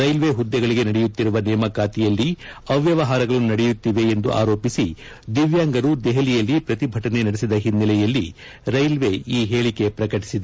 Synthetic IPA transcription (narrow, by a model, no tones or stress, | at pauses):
ɐjlʋe̞ɦud̪ːɛɡɐɭiɡe̞nɐɽɛjut̪ːiɾuʋɐnɛːmɐkaːt̪ijɐlːiɐʋjɐʋɐɦaːɾɐɡɐɭunɐɽɛjut̪ːiʋe̞ːnd̪ṵʔa̰ːɾo̞ːpisi | d̪iʋjaːŋɡɐɾud̪ɛɦɐlijɐlːipɾɐt̪ibʱɐʈɐne̞nɐɽesid̪ɐɦinːɛlɛjɐlːi | ɾɐjlʋe̞iːɦe̞ːɭike̞pɾɐkɐʈi̥sid̪e